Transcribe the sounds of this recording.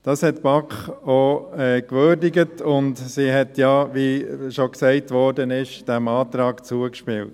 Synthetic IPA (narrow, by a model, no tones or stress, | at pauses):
d̥ɑshɛtbɑkχoɛːkʋøːɾdɪɡətʊndsiɦɛtjɑʋiʃɔksɛɪtʋɔɾdənɪʃd̥ɛmɑːtɾɑːkt͡suəkʃpɪ̰lt